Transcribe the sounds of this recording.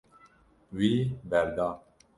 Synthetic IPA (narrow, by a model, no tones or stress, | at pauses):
ʋiːbɛɾd̪aː